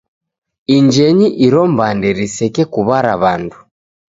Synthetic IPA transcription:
iɲd͡ʒɛɲiʔiɾɔmbandɛɾisɛkɛkuβaɾa̰βandu

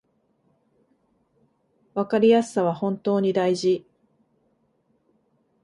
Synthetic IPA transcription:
βakaɾʲijasɨ̥saβ̞ahõ̞nt̪o̞ːɲ̟id̪aiʑi

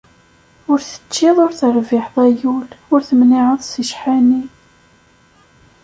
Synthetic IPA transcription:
ʊɾθə̥t͡ʃːɪðˤʊɾθəɾvɪħðˤæjulʊɾθəmniʕəðˤsiʃħani

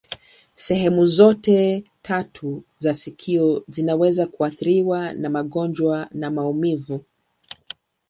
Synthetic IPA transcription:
sɛɦɛmuzɔtɛtʰatʰuzasikʰiɔzinawɛzakuaθiɾiwanamaɠɔnd͡ʒwanamaumivu

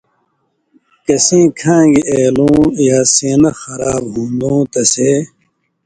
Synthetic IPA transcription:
kɐsẽːkʰãːɡiʔeːlũːjaːseːnɐxɐɾaːbɦũːnd̪ũːt̪ɐse

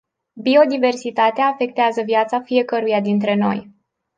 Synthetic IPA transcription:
bio̞d̪ive̞rsit̪at̪eaːfe̞k̚t̪eazəvjat̪safije̞kəɾujad̪int̪ɾe̞no̞̰j

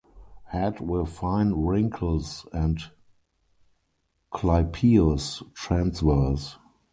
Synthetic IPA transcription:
hætwɛfãɪ̃nɹɪ̃ŋkʰl̩sɛ̃nt | kʰlaɪpʰiəstɹæ̃nsvɜs

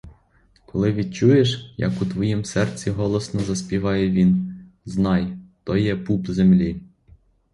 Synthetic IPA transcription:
kɔlˠɪʋʲid̪t͡ʃujeʃjɐ̰kut̪ʋɔjimsɛrt͡sʲiɦɔlˠɔsnɔzɐsʲpʲiʋɑjɛʋʲin | znɑjt̪ɔjɛpupzemlʲi

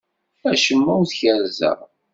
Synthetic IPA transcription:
æʃəmːæwθçəɾzə̰ʁ

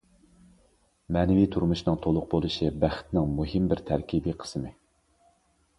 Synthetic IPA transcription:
mɛːnɪvit̪ʰuɾmuʃnɨŋt̪ʰolˠʊq̚bolˠɨʃibæχt̪nɪŋmuɦɪmbɪɾt̪ʰæɾkʲʰibiːqʰə̥smɪ

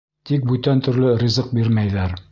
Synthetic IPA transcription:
t̪ik̚bʉt̪ænt̪ɵ̆ɾlɘɾʲizɤq̚biɾmæjðæɾ

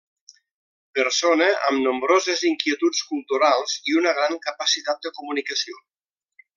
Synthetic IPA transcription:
pəɾsoneʔəmnumbɾozəziŋkiət̪ut͡skulˠt̪uɾalˠz̥iunəɣ̞ɾaŋkəpəsit̪at̪̚d̪əkumunikəsio

